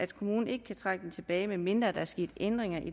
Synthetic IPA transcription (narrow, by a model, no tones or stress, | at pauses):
æd̥kʰo̝muːn̩e̝ɡ̥əkʰæt͡sʰʁɑɡ̥əd̥en̩t͡sʰe̝b̥ɛ̰ːɪmeme̝nd̥ʁɐːd̥ɑ̈æɐsɡ̥e̝̰ːd̥end̥ʁeŋɐʔi